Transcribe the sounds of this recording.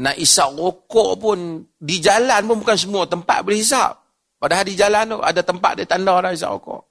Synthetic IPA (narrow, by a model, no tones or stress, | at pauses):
naʔisaʔokɔʔpʊndid͡ʒalanpʊnbukans̬əmuat̪əmpa̰t̪̚bəlhis̬a̰p̚ː | adaɦaɾid͡ʒalant̪oʔa̰dat̪əmpa̰t̪̚dait̪andɔnais̬a̰ʔo̰kɔ̰ʔ